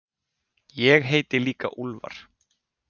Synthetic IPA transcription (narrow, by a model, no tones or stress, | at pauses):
jɛɣɦeːjt̪ɪliːka̰ʔulva̰ɾ̥